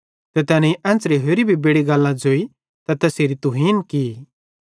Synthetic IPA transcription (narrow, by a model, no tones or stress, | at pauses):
t̪ɛt̪ɛːnɛ̃iʔɛ̃ːnt͡sɾiɦoːɾibʱibeːɽiɡɐlːãd͡zoːi | t̪at̪ɛːsiɾit̪uɦiːnkiː